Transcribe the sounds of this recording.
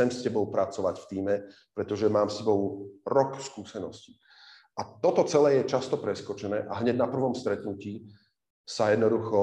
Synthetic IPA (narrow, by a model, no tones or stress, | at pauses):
ɛmscɛbɔʊpɾat͡sɔʋacft̪iːmɛ | pɾɛt̪ɔʒɛmaːmsɛbɔʊɾɔkskuːsɛnɔsci | ʔat̪ɔt̪ɔt͡sɛlɛːjɛt͡ʃast̪ɔpɾɛskɔt͡ʃɛnɛːʔaɦɲɛɟnapr̩ʋɔmst̪ɾɛt̪nuciː | sajɛd̪nɔd̪uxɔ